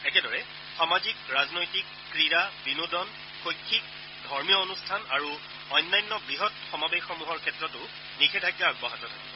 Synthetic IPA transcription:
ɛkɛdɔɹɛ | xamazikɹaznojtikːɹiabinudɔn | xojkʰːik̚ | dʱɔɹmijɔonustʰanaɹu | ɔjnːajnːɔbɹiɦɔtxɔmabexɔmuɦɔɹkʰɛtɹɔtʊ | nikʰɛtʰaɡjaaɡbɔɦatɔtʰa̰kɛ̰

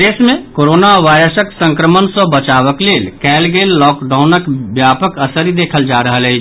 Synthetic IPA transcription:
d̪esmẽkoɾonaʋajɾəsəksə̃ŋkɾəmənsə̃bət͡ʃaʋəklelkɛlɡelːɔkɖaʊnəkbjapəkəsəɾid̪ekʰəld͡ʒaɾəɦəlɦət͡ʃ

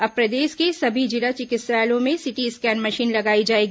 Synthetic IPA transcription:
ɐpɾɐd̪eːʃkesɐbʱid͡ʒɪlat͡ʃɪkɪsaːlõmẽsɪʈiɪskɛːnmɐʃiːnlɐɡaːid͡ʒaːeːɡi

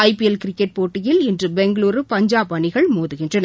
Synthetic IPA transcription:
ɐɪpiɛlkɪɾɪkːɛʈ̚poːʈːɪjɪlɪndrɯbɛŋɡɐɭuːɾɯpɐɲd͡ʒaːbɐɳɪɣɐɭmoːðɯɣɪndrɐnɐ

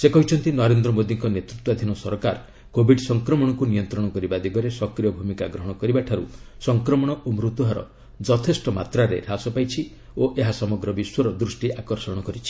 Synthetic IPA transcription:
sekɔɦit͡ʃʰɔnt̪inɔɾend̪ɾɔmod̪iŋkɔnet̪ɾut̪wad̪ʱinɔsɔɾɔkaɾ | kobʱiɖsɔŋkɾɔmɔɽ̃ɔkunijɔnt̪ɾɔɽ̃ɔkɔɾibad̪iɡɔɾesɔkɾijɔbʱumikaɡɾɔɦɔɽ̃ɔkɔɾibaʈʰaɾṵsɔŋkɾɔmɔɽ̃ɔumɾut̪uɦaɾɔ̰ | d͡ʒɔt̪ʰesʈɔmat̪ɾaɾḛɾasɔpajt͡ʃʰi | oʔeɦasɔmɔɡɾɔbiswɔɾɔd̪ɾusʈiʔakɔɾsɔɽ̃ɔkɔɾit͡ʃʰi̥

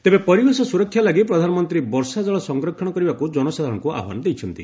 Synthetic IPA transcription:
t̪ebepɔɾibesɔsuɾɔkʰːjalaɡipɾɔd̪ʱanɔmɔnt̪ɾibɔɾsad͡ʒɔɭɔsɔŋɡɾɔkʰːɔɽ̃ɔkɔɾibakud͡ʒɔnɔsad̪ʱaɾɔŋkuʔa̰ɦwa̰nɔd̪ejt͡ʃʰɔnt̪i

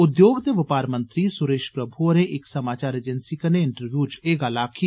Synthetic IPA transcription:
ʊd̪joːɡd̪eʋɪpaːɾmə̃nt̪ɾisʊɾeːʃpɾɐbʱuoɾeʔɪksɐmaːt͡ʃaːɾeːd͡ʒənsikɐneɪɳʈəɾʋjuːt͡ʃeːɡaːlaːkʰi

